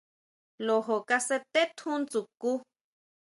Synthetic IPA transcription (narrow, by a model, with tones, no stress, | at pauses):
lo˨ɦo˨ka˧se˧t̪e˦t̪ʰũ˦nt͡su˨ku˦